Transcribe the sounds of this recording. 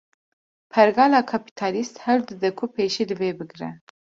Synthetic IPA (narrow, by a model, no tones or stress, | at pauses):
pʰɛɾɡɑːlɑːkʰɑpi̥t̪ʰɑːlist̪hɛld̪ɨd̪ɛkʰupʰeːʃilɨveːbɨɡɾɛ̰